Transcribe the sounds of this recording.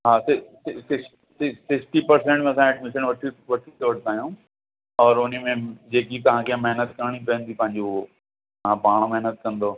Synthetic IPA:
ɦaːsɪsɪsɪs | sɪssɪksʈipɐɾsẽːɳʈmẽɐsãɛːɖmɪsəɳʋɐʈʰiʋɐʈʰit̪oːʋɐʈʰt̪aːjõː | ɔːɾʊnmẽd͡ʑeːkit̪ɐʋ̤ãkʰiãmeɦnət̪kɐɾɽ̃ipɐə̃nd̪ipɐ̃ɦɪ̃ɲd͡ʑo | ãpaːɽ̃mɛɦnət̪̚kɐ̃nd̪oː

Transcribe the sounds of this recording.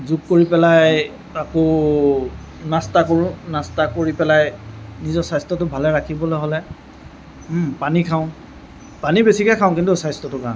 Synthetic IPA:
zukkoɹipɛlaj | akɔ | nastakoɹʊ̃nastakoɹipɛlajnizɔsajstɔtʊbʱalɛɹakʰibɔlojɦolɛ | panikʰaʊ̃ | panibesikɛkʰaʊ̃kintʊsajstɔtʊkã

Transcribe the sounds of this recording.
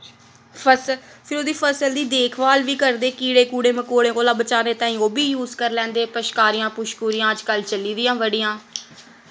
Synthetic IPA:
pʰəspʰɪɾoːd̪iːpʰəsəld̪iːd̪eːkʰʋaːlʋiːkəɾd̪eːkiːɽeːkuːɽeːməkoːɽẽːkoːlaːbət͡ʃaːneːt̪ãːĩːoːbiːjuːzkəɾlɛ̃ːnd̪eːpəʃkaːɾɪjãːpʊʃkuːɾɪjãːəd͡ʒkəlt͡ʃəliːd̪ɪjãːʋəɖɪjãː

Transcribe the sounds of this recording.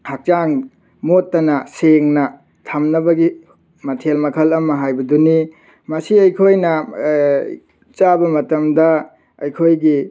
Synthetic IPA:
hak̚t͡ʃaŋ | motːɐnɐseŋnɐ | tʰamnɐbɐɡi | mɐtʰelmɐkʰɐlɐmɐɦajbɐduni | mɐsiɐjkʰojnɐ | t͡ʃabɐmɐtɐmdɐ | ɐjkʰojɡi

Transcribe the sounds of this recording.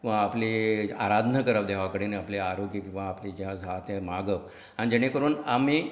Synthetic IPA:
ʋaapliaɾad̪ʱnəkəɾəʋd̪eɦʋakəɽeneapljaaɾoɡjəkĩw̃ʋaːplid͡ʑjãd͡zʱat̪emaɡəp | añid͡ʑeɽ̃ekəɾuːnami

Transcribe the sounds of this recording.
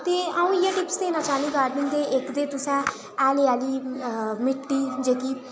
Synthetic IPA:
t̪eːaːũːɪjãːʈɪpsd̪eːnãːt͡ʃaːnĩːɡaːɖnɪ̃nd̪eːʔɪkd̪eːt̪ʊsɛ̃ː | ɛːleːaːliːmɪʈːiːd͡ʒeːkiː

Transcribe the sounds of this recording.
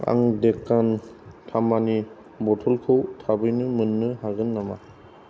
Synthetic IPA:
a̰ŋdekːantʰamani | bɔtʰɔlkʰɯwtʰabɯjnɯmɯnːɯhaɡɯnːama

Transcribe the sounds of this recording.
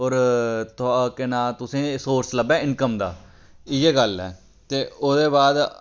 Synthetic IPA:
ɔːɾt̪ʊakɪnaːt̪ʊsĩːsoːɾsləbɛ̃ːɪnkəmd̪a̰ː | ɪjeːɡəlɛː | t̪eːoːd̪eːbaːd̪

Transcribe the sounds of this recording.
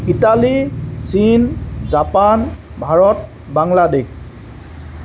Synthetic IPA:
italisinzapan | bʱaɹɔt | baŋladex

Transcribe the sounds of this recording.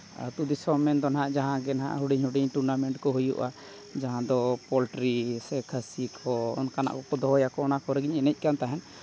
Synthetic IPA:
t̪ud̪isɔmɛnd̪ɔnaɦaʔd͡ʒaɦãɡɛnaɦa̰ʔɦuɖiɲhuɖiɲʈuɾnamɛɳʈkɔɦujṵʔa | d͡ʒaɦãd̪ɔpɔlʈɾisɛkʰəsikʰɔɔ̰nkana̰ʔkɔkɔd̪ɔɦɔjakɔɔnakɔɾɛɡiɲɛnɛc̚ˀkant̪aɦɛn

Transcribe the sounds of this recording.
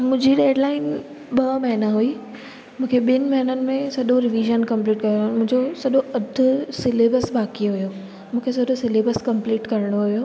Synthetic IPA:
mʊ̃ɦɪ̃ɲd͡ʑiɗeːɖlaːɪn | ɓɐmɐɦɪnaɦuiː | mũːkʰeɓɪnɪ̆mɐɦɪnənɪ̆mẽsɐɗoɾɪʋiːʒənkɐ̃mpliːʈkɐɾɽomʊ̃ɦɪ̃ɲd͡ʑosɐɗoɐd̪ʱʊ̆sɪleːbəsbaːkiɦujo | mũːkʰesɐɗosɪleːbəskɐ̃mpliːʈkɐɾɪɽ̃oɦujoː

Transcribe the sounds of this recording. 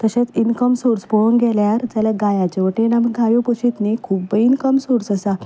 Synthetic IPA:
t̪əɕẽt͡sinkəmsuɾspɔəŋɡɛljaɾd͡ʑalaɡajat͡ɕeʋəʈenaməɡʱajopoɕit̪nikʰuːbːəinkəmsuɾsəsa

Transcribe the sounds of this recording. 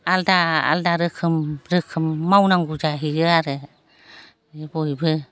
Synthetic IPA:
aldaa̰ldaɾɯkʰɯmɾɯkʰɯmːawnaŋɡud͡ʒaɦiɯaɾɯ | bɔjbɯ

